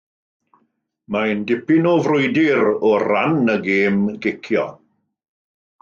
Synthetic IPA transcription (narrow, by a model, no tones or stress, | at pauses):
mandɪpɪnɔvrʊjdɪɾɔranəɡeːmɡɪkʰjɔ̰